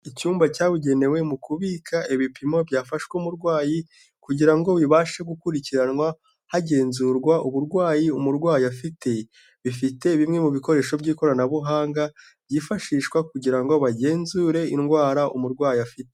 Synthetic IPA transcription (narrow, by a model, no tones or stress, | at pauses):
icuːmbacaːβuɟe̞ne̞we̞mukuβikʰaʔeβipimo̞bjaːfaʃwuːmuɾɡwaːji | kuɟiɾaŋɡo̞βiβaːʃeɡukuɾiciɾanŋwa | haɟe̞ːnzuɾɡwaʔuβuɾɡwaːjiumuɾɡwaːjiafite̞ | βifite̞βimŋe̞muβiko̞ɾe̞ːʃo̞bɟiːko̞ɾanaβuɦaːŋɡa | b̥ɟifaʃiʃkwakuɟiɾaŋɡo̞βaɟe̞ːnzuɾe̞inɡwaːɾaʔṵmuɾɡwaːjiafite